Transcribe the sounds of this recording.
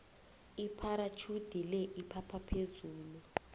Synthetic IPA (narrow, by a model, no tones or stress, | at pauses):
ipʰaɾat͡ʃʰud̥ʱilɛʔipʰapʰapʰezuːlu